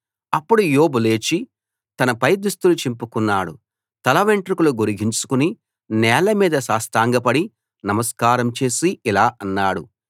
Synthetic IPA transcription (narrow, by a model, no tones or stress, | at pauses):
ɐpːuɽujoːbule̞ːt͡ʃi | t̪ɐnɐpɐjd̪ust̪ulut͡ʃimpukunːaːɽṵ | t̪ɐlɐʋeɳʈɾikuluɡoɾuɡiɲt͡ʃu̥kuni | nɛːlɐmiːd̪ɐsaːst̪aːŋɡɐpɐɽi | nɐmɐskaːɾɐmt͡ʃe̞ːsiilaːʔɐnːaːɽu